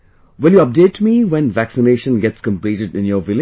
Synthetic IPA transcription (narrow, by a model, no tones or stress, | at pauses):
wɪljuʌp̚deːtːmiwɛ̃nʋæksɪneːʃə̃nɡɛtskə̃mpliːʈɪɖɪ̃njɔːʋɪl